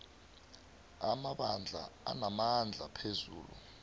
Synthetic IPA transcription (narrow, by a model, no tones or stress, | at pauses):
amaɓand͡ɮʱa̰a̰namand͡ɮʱapʰezuːlṵ